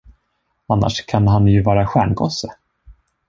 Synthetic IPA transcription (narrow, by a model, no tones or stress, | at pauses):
anːa̰ʂkʰanɦanjɵvɑːɾaɧæːɳɡo̰ːsə